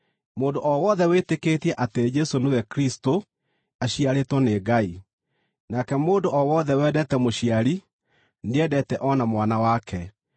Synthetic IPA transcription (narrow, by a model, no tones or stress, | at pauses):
moːndoʔɔwɔðɛwetekeːtiɛʔated͡ʒɛsonowɛkɾisto | aɕiaɾetwɔneːɡai | nakɛmoːndoʔɔwɔːðɛwɛːdɛtɛmoɕiaɾi | neɛdɛtɛʔɔnamwanawakʰɛ